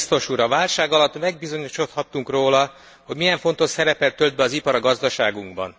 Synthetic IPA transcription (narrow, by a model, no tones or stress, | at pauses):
st̪o̞ʃuːɾɒvaːlʃaːɡɒlɒt̪ːmɛɡ̚bizo̞ɲiʃo̞t̪hɒt̪ːuŋkroːlɒ | ho̞ɟmijɛɱfo̞nt̪o̞ʃsɛɾɛpɛlt̪ːøld̪̚bɛɒzipɒɾɒɡɒzd̪ɒʃaːɡuŋɡbɒ̰n